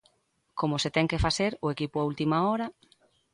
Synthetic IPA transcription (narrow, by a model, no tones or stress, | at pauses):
komʊset̪ɛŋkefaθeɾʊekipʊault̪imaɔɾɐ